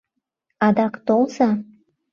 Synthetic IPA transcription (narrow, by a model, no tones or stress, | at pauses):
ɑd̪ɑkt̪olsɑ